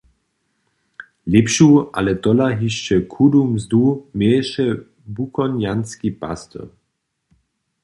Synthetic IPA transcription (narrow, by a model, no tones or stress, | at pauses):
lepɕuʔa̰lɛt̪ɔlaɦiʃt͡ʃɛkʰudumzd̪umɛʃɛ | bukɔnjanskipa̰st̪ə̰